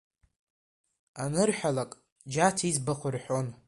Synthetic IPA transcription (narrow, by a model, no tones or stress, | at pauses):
anɨrħʷᶣalakʼ | d͡ʒatʰizbaχʷʊrħʷᶣon